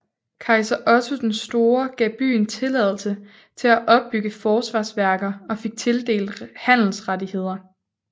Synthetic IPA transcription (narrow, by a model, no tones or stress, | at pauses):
kʰɑ̈ɪsɐʔɒ̽t͡sʰod̥ensd̥o̝ːɐɡ̥ɛ̰ːb̥y̰ːnt͡sʰe̝lɛð̞ˠl̩sə | t͡sʰe̝læʔɒ̽b̥ːyɡ̥əfɒːsʋɑ̈ːsʋæɐɡ̥ɐɒ̽fe̝ɡ̥̚t͡sʰe̝ld̥e̝̰ːl̥hæn̰l̩sʁadihe̝ð̞̰ˠɐ